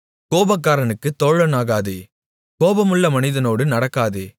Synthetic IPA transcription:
koːbɐk̬ːaːɾɐnɯkːɯt̪ɔɻɐnaːɣaːðeː | koːbɐmʊɭːɐmɐnɪðɐnoːɽɯnɐɽɐkːaːðeː

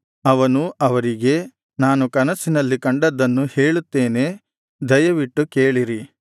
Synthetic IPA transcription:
ɐʋɐnuʔɐʋɐɾiɡe̞ | naːnukɐnɐsinɐlːikɐɳɖɐd̪ːɐnːuhe̞ːɭut̪ːe̞ːne̞ | d̪ɐjɐʋiʈːukeːɭiɾi

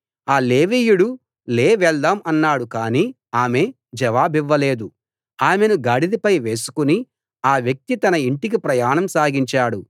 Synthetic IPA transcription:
aːle̞ːʋiːjuɽu | leːʋɛɭd̪aːmɐnːaːɽukaːniː | aːme̞ | d͡ʒɛʋaːbiʋːɐle̞ːd̪u | aːmenuɡaːɽid̪ipɐjʋe̞ːsu̥kuni | aːʋjɐk̚t̪it̪ɐnɐiɳʈik̬ipɾɐjaːnɐmsaːɡiɲt͡ʃaːɽu

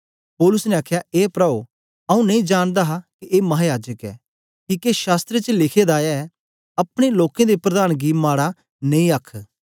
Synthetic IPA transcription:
pɔːlʊsneaːkʰjaeːpɾao | ɐũnɐ̃ĩd͡ʒaːɽ̃d̪aɦakiʔeːmɐɦaːjaːd͡ʒəkɛ̰ː | kiːkeʃaːst̪ɾet͡ʃəlɪkʰed̪aːɛ | ɐpɽ̃eloːkẽd̪epɾɐd̪aːñɡiːmaːɽa | nẽĩəkʰ

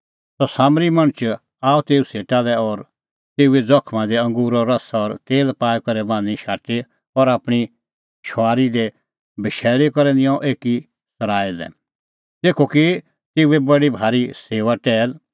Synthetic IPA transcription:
ɔsaːmɾimɐ̃ɽ̃ət͡ʃ | aːut̪eːuseːʈalɛɔɾ | t̪eːued͡zɔkʰmãd̪ɛɐ̃ŋɡuːɾɔɾɐsaɔɾt̪eːlpaːjkɐɾɛbãːniʃaːʈe | ɔɾaːpɽ̃i | ʃɔaːɾid̪ɛ | bɪʃɛːlekɔɾɛ̃nɪɔ̃ʔeːki | sɐɾaːilɛ̰̃ | t̪eːkʰoki | t̪eːuebɐɽibʱaːɾiseːʋaʈɛːl

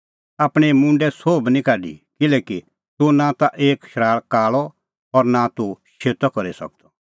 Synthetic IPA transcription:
aːpɽ̃ɛmʊ̃ɳɖɛsoːbnĩkaːɖḭkɪlɛːki | t̪unãt̪aʔeːkʃɾaːɭkaːɭɔ | ɔɾnat̪uʃeːt̪ɔkɔɾisɐ̰k̚t̪ɔ

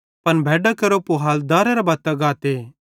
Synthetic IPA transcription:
pɐnbʱɛːɖakɐɾopoɦaːld̪aːɾɐɾabaːt̪ːaɡaːt̪eː

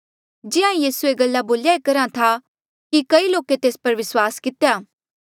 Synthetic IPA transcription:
d͡ʒɪãjiːsueɡɐlːaboːljaekɐɾãt̪ʰa | kikɐiloːket̪eːspɐɾʋɪswaːskɪt̪ejaː

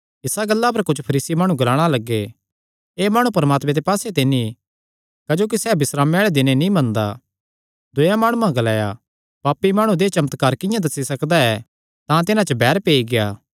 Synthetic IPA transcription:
ɪsaɡɐlːapɐɾkʊt͡ʃʰpʰɐɾiːsimaːɽ̃ũɡɐlaːɽ̃alɐɡːe | eːmaːɽ̃upɐɾmaːt̪mẽt̪epaːset̪eni | kɐd͡ʒoːk̬isɛːbɪsɾaːmɛːɭɛd̪ɪnenĩbɐ̃nd̪a̰ | d̪ʊjãmaːɽ̃uãɡɐlaːja̰ | paːpːimaːɽ̃ũd̪et͡ʃɐmət̪kaːɾkɪ̃jãd̪ɐsisɐkd̪aɛ | t̪ãt̪ɪnãt͡ʃəbɛːɾpeːiɡeja̰ː

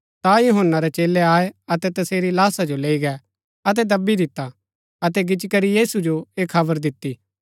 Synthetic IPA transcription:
t̪ajʊɦənːaɾɛt͡ʃeːlɛaːeɐt̪ɛt̪ɐseːɾilaːsad͡ʒoleːiɡɛ | ɐt̪̬ɛd̪ɐbːid̪ɪt̪ːa | ɐt̪ɛɡɪt͡ʃkɐɾijiːsud͡ʒoeːkʰɐbəɾd̪ɪt̪ːiː

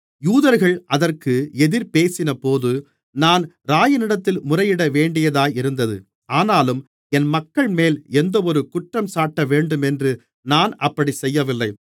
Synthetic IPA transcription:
juːðɐɾɣɐɭʔɐðɐrkɯɛðɪɾpeːsɪnɐpoːðɯ | naːn | ɾaːjɐnɪɽɐt̪ːɪlmʊrɐjɪɽɐʋeːɳɖɪjɐðaːjɪɾɯnd̪ɐðɯ̰ | aːnaːlɯm | ɛnmɐkːɐɭmeːlɛnd̪ɐɔɾɯkʊʈrɐmsaːʈːɐʋeːɳɖɯmɛndrɯ | naːnʔɐpːɐɽisɛjːɐʋɪlːɐɪ

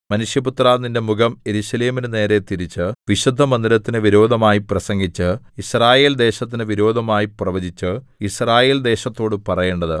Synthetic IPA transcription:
mɐnuʂjɐput̪raːninde̞muɡɐme̞ɾuɕɐleːminɨne̞ːɾet̪iɾit͡ɕːɨʋiɕud̪ʱːɐmɐnd̪ilɐt̪ːinɨʋiɾo̞ːd̪ʱɐmaːjiprɐsɐŋɡit͡ɕːɨ | israːje̞ːld̪e̞ːɕɐt̪ːinɨʋiɾo̞ːd̪ʱɐmaːjiprɐʋɐd͡ʑʱit͡ɕːɨ | israːje̞ːld̪e̞ːɕɐt̪ːo̞ːɽɨpɐrɐje̞ːɳɖɐðɨ

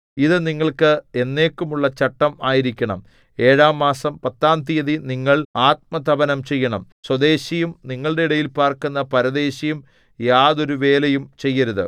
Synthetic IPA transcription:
iðɨniŋːɐɭkɨe̞nːe̞ːkːumuɭːɐt͡ɕɐʈːɐmaːjiɾikʲːɐɳɐ̰m | e̞ːɻaːmːaːsɐmpɐt̪ːaːnt̪ijɐðiniŋːɐɭaːt̪̚mɐt̪ʰɐbɐnɐmt͡ɕe̞jːɐɳɐm | swɐd̪e̞ːɕijumniŋːɐɭɽe̞iɽɐjilpaːrkunːɐpɐɾɐd̪e̞ːɕɐjum | jaːðo̞ɾuʋe̞ːlejumt͡ɕe̞jːɐɾuðɨ

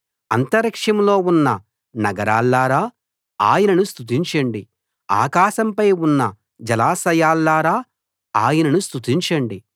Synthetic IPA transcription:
ɐnt̪ɐɾɐkʂɐmlo̞ːunːɐ | nɐɡɐɾaːlːaːɾaː | aːjɐnɐnust̪ut̪̬iɲt͡ʃɐɳɖi | a̰ːkaːʃɐmpɐjunːɐ | d͡ʒɐlaːsɐjaːlːaːɾaː | aːjɐnɐnust̪ut̪iɲt͡ʃɐɳɖi

